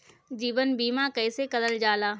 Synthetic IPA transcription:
d͡ʒiːʋənbiːmãkɐɪsekɐd̪əld͡ʒaːlaː

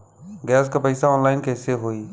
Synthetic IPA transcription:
ɡɛːskapəisaɔːnlaːɪnkʰeːɦɪseɦoiː

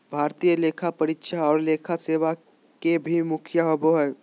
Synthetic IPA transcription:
bʱaːɾt̪ijəleːkʰapəɾɪtʃaɔːɾleːkʰaseːʋa | kebʱimʊkʰjaɦoboɦɛ

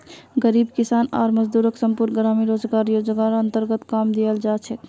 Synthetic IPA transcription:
ɡəɾibkisana̰ːɾməd͡ʒd̪uɾəksəmpuɾnɡɾamiɾod͡ʒɡaɾjod͡ʒɡaɾənt̪əɾɡət̪kamd̪ijəld͡ʒat͡ʃʰɛ

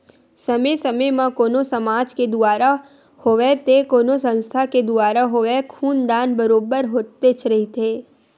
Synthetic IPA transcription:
sɐmesɐmemãkoːnosɐmaːd͡ʒked̪ʊaːɾa | hoːʋet̪ekoːnosə̃nst̪ʰaked̪ʊaːɾaɦoːʋekʰuːnd̪aːnbəɾoːbəɾɦoːt̪ːet͡ʃʰɾɐɦit̪ʰeː

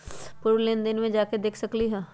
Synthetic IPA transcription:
pʊɾleːnd̪ɪnmẽd͡ʒaːked̪eːkʰsɐkliɦɛː

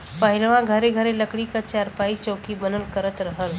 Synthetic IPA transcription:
pəɦɪlʋãɡʱəɾeɡʱəɾeləkɽikat͡ʃaɾpait͡ʃəːkibənəlkəɾət̪ɾəɦəl

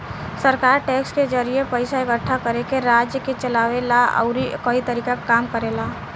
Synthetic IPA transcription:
səɾkaːɾʈɛːksked͡ʒəɾiepəɪsaeɡəʈʰːakəɾekeɾaːd͡ʒjəket͡ʃəlaːʋelaə̰ʊɾikəit̪əɾiːkakkaːmkəɾela

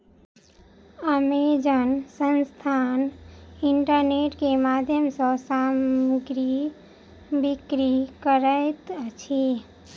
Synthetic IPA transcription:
əmed͡ʒənsənst̪ʰaniɳʈəɾneʈkemad̪ʱjəmsə̃samɡɾi | bikɾikəɾəɪt̪t͡ʃʰi

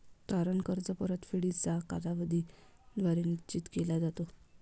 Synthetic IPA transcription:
t̪aɾənkəɾt͡səpəɾət̪fiɽit͡sakalaʋəd̪ʱid̪ʋaɾinit͡ɕit̪kelad͡zat̪o

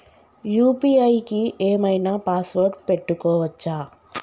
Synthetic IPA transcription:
juːpiɐjkiʔeːmɐjnaːpaːsʋɐːɾʈpe̞ʈːukɔːʋɐt͡ʃːaː

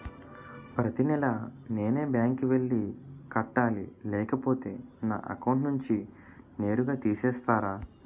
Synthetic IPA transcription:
pɾɐt̪inɛlɐne̞ːne̞ːbjaːŋkiʋe̞ɭːikɐʈːaːlḭlɛːkɐpo̞ːt̪e̞ːna̰ːʔɐ̰kɐwɳʈnuɲt͡ʃi | ne̞ːɾuɡaːt̪iːsɛːst̪aːɾaː

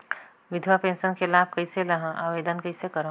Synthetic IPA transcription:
ʋɪd̪ʱwapẽːnʃənkelaːb̚ʱkɐiselɐɦãʔaːʋeːd̪ənkɐisekɐɾõ

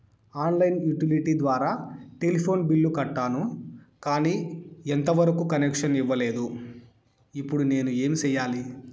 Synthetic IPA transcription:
aːnlɐjnjuʈiliʈiːd̪ʋaːɾaːʈelipʰo̞ːnbiɭːukɐʈːaːnu | kaːniːent̪ɐʋɐɾɐkukɐnekʂɐniʋːɐle̞ːd̪u | ipːuɽune̞ːnue̞ːmit͡ʃɛːjːaːli

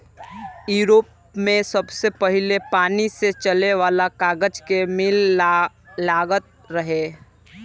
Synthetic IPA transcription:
juːɾoːp | mẽsəbsepəɦɪlepaːniset͡ʃəleʋaːlakaːɡəd͡ʒkemɪl | laːɡət̪̚ | ɾəɦeː

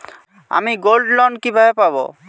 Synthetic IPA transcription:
a̰miɡolɖlɔnkibʱaepabo̰

